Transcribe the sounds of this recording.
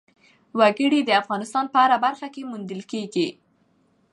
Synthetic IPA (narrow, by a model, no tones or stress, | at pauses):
waɡəɽid̪əafɣɑnɪst̪ɑnpəaɾabaɾxakemund̪əlkeɡi